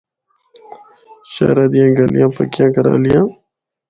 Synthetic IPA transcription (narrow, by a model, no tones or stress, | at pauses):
ɕa̰ːɾad̪ijãːɡalijãːpɐkjãːɡɐɾa̰ːlijãː